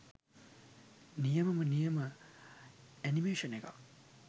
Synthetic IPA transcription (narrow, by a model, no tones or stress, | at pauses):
nijɐmɐmɐnijɐmɐ | enimesɐneɡa̰